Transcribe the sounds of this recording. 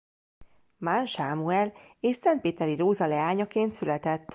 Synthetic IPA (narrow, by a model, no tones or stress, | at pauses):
manʃaːmuɛleːʃsɛnt̪̚peːt̪ɛɾiɾoːzɒlɛaːɲɒkeːnt̪sylɛt̪ɛt̪ː